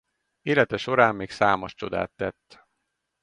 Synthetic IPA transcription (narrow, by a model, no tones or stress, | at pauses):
eːlɛt̪ɛʃo̞ɾaːmːeːksaːmoʃt͡ʃo̞d̪a̰ːt̪ːɛt̪ː